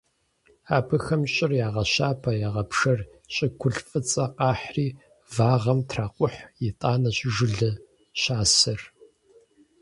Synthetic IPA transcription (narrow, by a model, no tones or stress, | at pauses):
aːpʰɨxɐmɕʼɪrjaːʁɐɕaːpʰɐjaːʁɐpʂɐr | ɕʼɪkʷʰʊɬfʼɨt͡sʼɐqɑːħriː | vaːʁɐmtʰraːqʷʼʊħjɪtʼaːnɐɕʒɨɮɨ | ɕaːsɐr